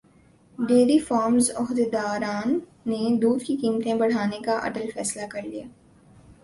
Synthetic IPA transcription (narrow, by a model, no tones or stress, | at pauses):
ɖeːɾifɔːɾmzʊɦd̪ed̪aːɾaːnː | ed̪uːd̪kikiːmt̪ẽbɐɽ̤aːnekaʔɐ̰ʈəlfɛːslakɐɾlijaː